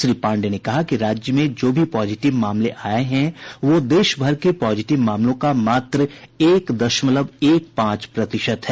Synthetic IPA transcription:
ʃɾiːpãːɳɖenekɐɦakiɾaːd͡ʒjəmẽd͡ʒoːbʱipɔːzɪʈɪʋmaːmleʔaːeɦɛ̃ʋod̪eːʃbʱɐɾkepɔːd͡ʒɪʈɪʋmaːmlõkamaːt̪ɾəeːkd̪ɐʃmələbeːk̚pãːt͡ʃpɾɐt̪ɪʃət̪ɦɛː

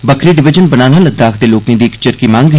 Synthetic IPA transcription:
bəkʰɾiːɖɪʋɪd͡ʒənbənaːnaːləɡ̚d̪aːkʰd̪eːloːkẽːd̪iːɪkt͡ʃɪɾkiːmãŋɡɦ

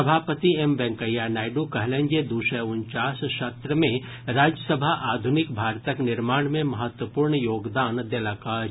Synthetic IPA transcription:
ɐbʱaːpət̪iemʋɛ̃ŋkəjanaːɪɖukɐɦlẽɲd͡ʒed̪uːʃɛʊnt͡ʃaːsʃɐt̪ɾəmẽ | ɾaːd͡ʒjəsəbʱaʔaːd̪ʱʊnɪkbʱaːɾt̪əknɪɾmaːɳmẽmɐɦət̪wəpuːɾɳjoːɡd̪aːnd̪elaka

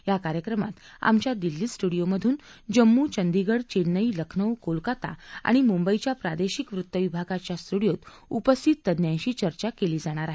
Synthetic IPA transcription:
jakaɾjəkɾəma̰t̪ | a̰mt͡ɕjad̪ilːiːsʈuɽijoməd̪ʱuːnd͡ʑəmːut͡ɕənd̪iɡəɽt͡ɕenːəiləkʰnəwkolkat̪a̰a̰ɽ̃imumbəit͡ɕjapɾad̪eɕikʋɾut̪ːəʋibʱaɡat͡ɕjast̪uɽijot̪ | upəst̪ʰit̪ːəd̪njãɲɕiːt͡ɕəɾt͡ɕakeliːd͡zaɽ̃aɾaɦe

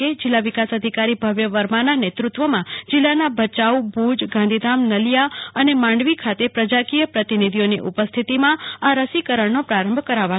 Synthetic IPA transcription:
ed͡ʒilːaʋikasəd̪ʱikaɾibʱəʋjəʋəɾmananet̪ɾut̪ʋəmãd͡ʒilːanabʱət͡ʃaubud͡ʒɡãnd̪ʱid̪ʱamnəlijaənemãɳɖʋikʰat̪epɾəd͡ʒakijəpɾət̪inid̪ʱijonḭʔupəst̪ʰit̪imãaɾəsikəɾəɳnopɾaɾə̃mbʱkəɾaʋa

